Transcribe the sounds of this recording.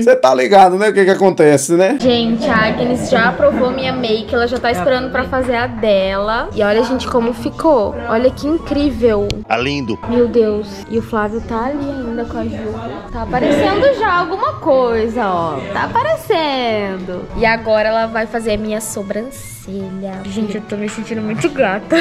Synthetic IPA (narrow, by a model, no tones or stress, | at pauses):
set̪aliɡad̪ʊnɛʊkekɪakõnt̪ɛsɪnɛʒẽt͡ʃɪaɡinisʒaapɾovomĩɲɐmejkɪɛlɐʒat̪aisspeɾɐ̃nd̪ʊpɾɐfazeɾɐd̪ɛlɐɪɔʎɐʒẽnt͡ʃɪ̥kõmʊfikoɔʎɐkɪĩŋkɾivewa̰lĩnd̪ʊmewd̪ews | ɪʊflavjʊt̪aːliaĩnd̪ɐkõɐʒuɐt̪apaɾesẽnd̪ʊʒaawɡũmɐkojzɐɔt̪apaɾesẽd̪ʊɪaɡɔɾɐɛlɐvajfazeɾɐmĩɲɐsobɾɐ̃s | eʎɐʒẽt͡ʃɪt̪omɪsẽnt͡ʃĩnd̪ʊmũj̃t̪ʊɡɾat̪ɐ